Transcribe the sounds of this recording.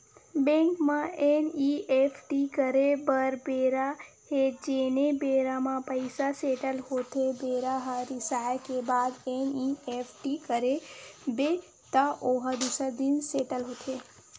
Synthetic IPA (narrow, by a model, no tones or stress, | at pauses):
bɛ̃ŋkmãeniefʰʈikəɾebəɾbeɾa | ɦed͡ʒenebeɾamãpəjsaseʈəlɦot̪ʰebeɾaɦaɾɪsajakebad̪eniefʰʈikəɾebe | t̪əʔoɦə̃d̪usəd̪inseʈəlɦot̪ʰe